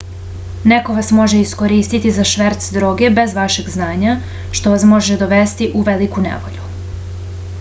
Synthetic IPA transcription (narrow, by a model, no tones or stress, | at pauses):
ne̞ko̞ʋasmo̞ʒe̞isko̞ɾiːst̪it̪izaʃʋeɾt̪sd̪ɾo̞ːɡe̞be̞zʋaʃe̞ɡznaːɲa | ʃt̪o̞ʋasmo̞ʒed̪o̞ʋest̪iʔuʋelikunḛʋo̞̰ʎu